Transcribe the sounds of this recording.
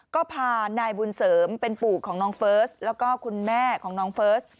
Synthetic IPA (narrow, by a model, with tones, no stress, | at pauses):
kɔː˥˩pʰaː˧naː˧jbu˧nsɤː˩˦mpe˧npuː˨˩kʰɔː˩˦ŋnɔː˦˥ŋfɤː˦˥slɛː˦˥wkɔː˥˩kʰu˧nmɛː˥˩kʰɔː˩˦ŋnɔː˦˥ŋfɤː˦˥s